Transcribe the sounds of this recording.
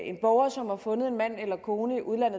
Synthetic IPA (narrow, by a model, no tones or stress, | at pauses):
e̝nb̥ɒʊɐsɒ̽mhɑ̈fɔ̽nð̞̩ˠe̝nmæn̰elɐkʰo̝ːnəiʔuð̞ˠlæn̰ð̩ˠ